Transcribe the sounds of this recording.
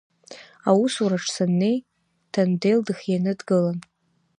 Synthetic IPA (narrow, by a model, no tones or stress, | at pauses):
awusuɾaʈ͡ʂʰsanːe̞j | tʰandejldɨxjanɨdɡɨlan